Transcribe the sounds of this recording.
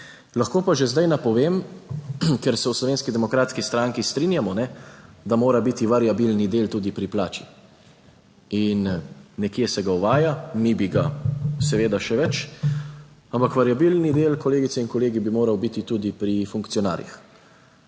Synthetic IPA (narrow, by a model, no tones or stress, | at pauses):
laxkoːpaʒezd̪ajnapɔʋeːm | kɛɾsɛwslɔʋeːnskid̪ɛmɔkɾaːt̪skist̪ɾaːŋkist̪ɾinjamɔnɛd̪amoːɾabit̪iʋaɾjabilnid̪eːlt̪uːd̪ipɾipla̰ːt͡ʃi̥ | inːɛkjɛsɛɡauʋaːjanibiɡasɛʋeːd̪aʃɛʋɛt͡ʃ | ampakʋaɾjabilnid̪eːlkɔleːɡit̪ɛinkɔleːɡibimoːɾawbit̪it̪uːd̪ipɾifuŋkt̪sijɔna̰ːɾjḭx